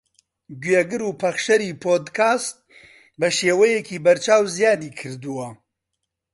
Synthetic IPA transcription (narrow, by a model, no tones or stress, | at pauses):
ɡwɥeɡɨɾuːpʰɐχʃɐɾiːpʰoːd̪kʰaːst̪̚ | bɐʃeːwɐjekʰiːbɐɾt͡ʃaːwzjaːd̪iːkʰɨɾd̪uwɐ